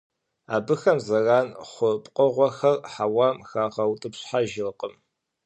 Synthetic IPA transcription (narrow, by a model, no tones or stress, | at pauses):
aːbɨxɐmzɐraːnχʷʊpʼqʼəʁʷɔxɐrħawaːmxaːʁɐwtʼɨpɕħaʒɪrqʼəm